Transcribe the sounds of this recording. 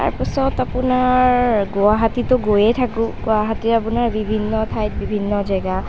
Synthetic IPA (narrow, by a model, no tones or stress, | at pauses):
ta̰ɹpasɔtapʊnaɹɡuaɦatitʊɡojɛtʰakʊ̃ɡuaɦatiapunaɹbibʱinːɔtʰajt̚bibʱinːɔzaɡa